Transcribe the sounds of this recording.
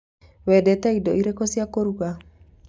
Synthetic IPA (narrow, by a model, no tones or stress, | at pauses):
wɛdɛt̪ɛidɔiɾekosiakoɾuka